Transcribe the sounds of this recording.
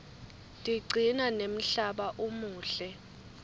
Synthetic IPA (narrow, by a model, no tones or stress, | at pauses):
tʼiǀʱinanem̩ɬaɓaʔumuːɬɛ